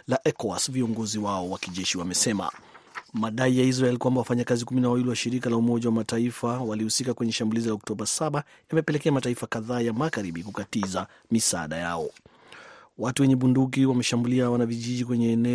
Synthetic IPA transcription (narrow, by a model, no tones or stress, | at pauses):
laʔɛkɔa̰sviɔŋɡɔziwaɔwakiʄɛʃiwamɛsɛma̰maɗaijais̬ɾaɛlikwambawafaɲakazikuminawawiliwaʃiɾikalaumɔʄawamataifawalihusikakwɛɲɛʃambulizilaɔk̚tɔɓasaɓa | jamɛpɛlɛkɛamataifakaðaːjamaɣaɾiɓikukatiza | misa̰ɗa̰ja̰ɔ̰ | watuwɛɲɛɓunduk̬iwamɛʃambuliawanaviʄiʄikwɛɲɛːnɛ